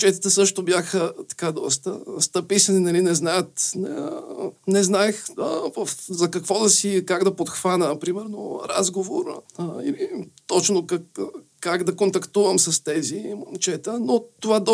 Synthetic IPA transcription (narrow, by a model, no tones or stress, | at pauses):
t͡ʃɛt̪i̥t̪ɛsɤʃt̪objaxət̪ɐ̥kad̪ɔst̪əst̪ɐpisɐninɐlinɛznajət̪nɛ | nɛznaɛxvəfzɐkɐkvɔd̪ɐsikaɡd̪ɐpot̪xvanəpɾimɛɾno̰ɾa̰zɡovoɾḭlit̪ɔt͡ʃnokɐkaɡd̪ɐkont̪ɐkt̪uvəmsɐst̪ɛzimont͡ʃɛt̪ənot̪ovad̪